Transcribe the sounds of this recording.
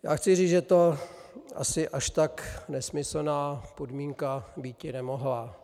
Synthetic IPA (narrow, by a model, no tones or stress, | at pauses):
ja̰ːxt͡sɪriːt͡sʒɛt̪o̞ʔa̰sɪʔaʃt̪aknɛsmɪsl̩naːpo̞dmiːŋkabiːcɪnɛmo̞ɦla